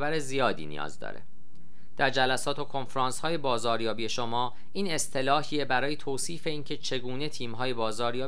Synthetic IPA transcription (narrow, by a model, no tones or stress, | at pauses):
bæɾezijɒːd̪ḭːnḭjɒ̰ːzd̪ɒ̰ːɾḛ | d̪̥æɾd͡ʒælæsɒːt̪ʰokʰo̞nfɾɑːnshɒːje̞bɒːzɒːɾjɒːbije̞ʃo̞mɒː | iːne̞st̪ʰe̞lɒːhiebæɾɒːje̞t̪ʰoːsiːfe̞iːncʰe̞t͡ʃʰe̞ɡuːne̞t̪ʰiːmɦɒːje̞bɒːzɒːɾjɒː